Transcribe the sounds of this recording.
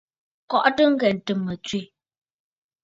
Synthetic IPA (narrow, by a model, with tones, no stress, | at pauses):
kɔ˦ʔtə˦ŋ̩˦ɡɛ˨n̩˨tɨ˨mːə˨t͡sɥi˦˨